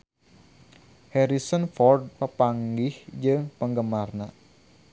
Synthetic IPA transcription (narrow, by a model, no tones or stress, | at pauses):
hɛɾisənfɔrd̪̚pəpaŋɡɪhd͡ʒɨŋpəŋɡəmarna